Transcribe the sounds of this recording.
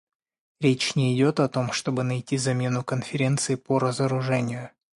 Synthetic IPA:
ɾʲet͡ɕnʲɪɪdʲo̞t̪ɐt̪o̞mʂt̪o̞bɨnɐjtʲizɐmʲe̞nʊkənfʲɪɾʲe̞nt̪sɨɪpəɾəzəɾʊʐɛnʲɪjʊ

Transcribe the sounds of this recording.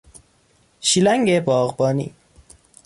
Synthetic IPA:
ʃilæŋɡebɒːɣbɒːnḭː

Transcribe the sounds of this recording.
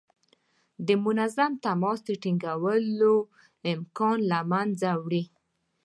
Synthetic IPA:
d̪əmʊnazamt̪amɔsd̪əʈiŋɡawəlo | ɪmkɑnlamanzawɽi

